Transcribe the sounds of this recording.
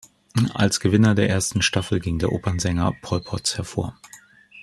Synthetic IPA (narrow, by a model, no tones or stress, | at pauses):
ʔa̰lsɡ̥əvɪnɐdeːɐʔeːɐstn̩ʃtafl̩ɡɪŋdeːɐʔoːpɐnzɛŋɐpʰɔlpʰɔtshɛɐfo̰ːɐ